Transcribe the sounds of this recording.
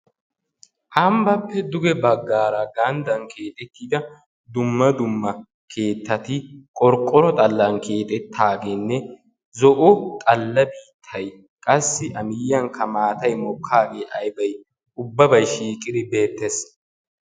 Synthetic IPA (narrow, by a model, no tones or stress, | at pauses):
ʔɐmbɐpːɛd̪ʊɡɛbɐɡːaːɾɐɡɐnd̪ɐŋkʰe̞ːt̪ʼɛt̪ːiːd̪ɐ | d̪ʊmːɐd̪ʊmːɐ | kʰe̞ːt̪ːɐt̪ɪkʼɔɾkʼːɔɾɔt̪ʼɐlːɐnkʰe̞ːt̪ʼɛt̪ʰːaːɡeːnːɛ | zɔʔʊt̪ʼɐlːɐbiːt̪ʰːɐj | kʼɐsːɪʔɐmɪjːɐŋkʰɐmaːt̪ɐjmɔkʰːaːɡe̞ːʔɐjbɐj | ʊbːɐbɐjʃiːkʼɪd̪ɪbe̞ːt̪ːɛs